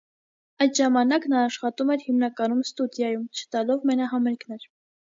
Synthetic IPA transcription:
ɑjt̪ʒɑmɑnɑknɑːʃχɑt̪umɛɾhimnɑkɑnumst̪ud̪jɑjumt͡ʃʰə̥t̪ɑlɔvmɛnɑɦɑmɛɾkʰnɛɾ

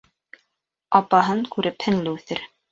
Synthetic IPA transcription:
ɑpɑɦɤŋkʉɾʔɘphɘ̆nlɘθɘɾ

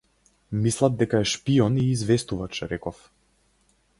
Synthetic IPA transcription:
mislˠad̪̚d̪ɛkaɛʃpiɔniːzvɛst̪uvat͡ʃɾɛkɔf

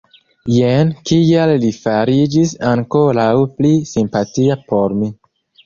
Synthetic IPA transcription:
jenkialːifaɾid͡ʒisaŋkoɾawplisimpatiapo̞ɾmi

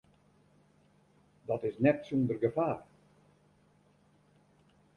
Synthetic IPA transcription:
dɔtɪsnɛtsundərɡəfaːr

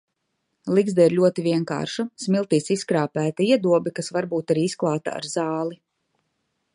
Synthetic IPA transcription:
lˠiɡzd̪aiɾʎʲuɔt̪ivʲiɛŋka̰ːɾʃasmilˠt̪iːsiskɾaːpæːt̪aiɛd̪uɔbikasvaɾbuːt̪aɾiːisklˠaːt̪a̰a̰ɾzaːlˠi

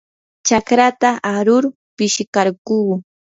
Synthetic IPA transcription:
t͡ʃakɾat̪aʔaɾʊɾ | pɪʃɪkaɾkuː

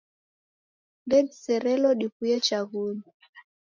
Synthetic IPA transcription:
ɡɛdisɛɾɛlɔɗikujɛt͡ʃaɣumi

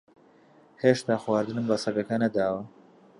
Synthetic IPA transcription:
heːʃt̪aːxwaːɾd̪ɨnɨmbɐsɐɡɐkɐnɐd̪aːwɐ

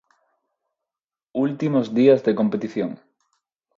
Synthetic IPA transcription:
ult̪imozðiazðekompet̪iθjoŋ

